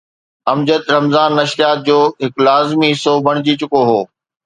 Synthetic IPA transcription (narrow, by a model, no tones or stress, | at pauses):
ɐmd͡ʑət̪ɾɐmzaːnːɐʃjaːt̪̚d͡ʑoːɦɪklaːzmiɪsobʱɐɽ̃ɪd͡ʑit͡ɕʊkoɦoː